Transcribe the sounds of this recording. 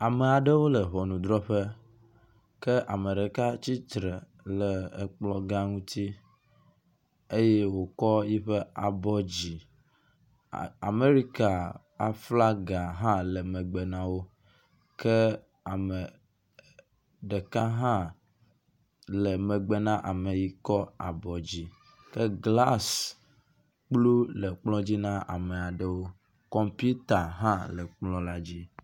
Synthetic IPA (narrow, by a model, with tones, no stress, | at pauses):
a˨mə˨a˨ɖe˦wo˦lə˨ɦɔ˨nũ˨d̪ɾɔ˦ɸə˦ | kə˦ʔa˨mə˨ɖe˨ka˦t͡ɕi˦t̪ɾe˨ | lə˨k͡plɔ˦ɡa˦ŋũ˦t̪ʰi˦ | e˦je˦wo˨kɔ˦ji˦ɸə˦a˨bɔ˦d͡ʑi˨ | a˨me˦ɾi˦ka˨ | a˨fla˦ɡa˨ɦã˦lə˨me˨ɡ͡be˨nã˨wo˦ | ke˦ | a˨me˨ | ɖe˨ka˦ɦã˦ | le˨me˨ɡ͡be˨nã˦ʔa˨me˨ji˨kɔ˦a̰˨bɔ˨d͡ʑi˨ | ke˦ɡla˦s | k͡plu˦le˨k͡plɔ̃˦d͡ʑi˦nã˦ʔa̰˨me˨a˨ɖe˨wo˦ | kɔ˦mpu˦t̪a˨ɦã˦lɛ˨k͡plɔ̃˦la˦d͡ʑi˦